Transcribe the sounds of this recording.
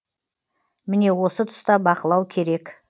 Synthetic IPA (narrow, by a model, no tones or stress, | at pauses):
mɪne̞wo̞sət̪ʰʊ̥st̪ɑbɑqəlˠɑwkʲʰe̞ɾe̞k